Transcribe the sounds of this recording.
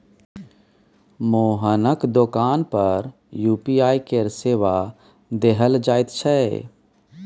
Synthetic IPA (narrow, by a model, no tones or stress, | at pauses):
moːɦənəkd̪okaːnpəɾ | juːpiaːikeɾseːʋa | d̪eɦəld͡ʒaːjt̪t͡ʃʰɛ